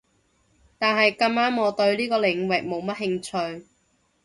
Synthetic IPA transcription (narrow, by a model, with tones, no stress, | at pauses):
t̪aː˨nɦɐ˨jkɐ˧maː˥nŋɔː˨˧t̪ɵ˧ɥliː˥kɔː˧lɪ˨˩ŋwɪ˨k̚mo˨˧wmɐ˥t̚hɪ˧ŋt͡ʃʰɵ˧ɥ